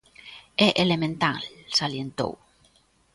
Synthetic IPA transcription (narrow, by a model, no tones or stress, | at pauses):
eʔelemẽnt̪ãlsaljent̪o̰w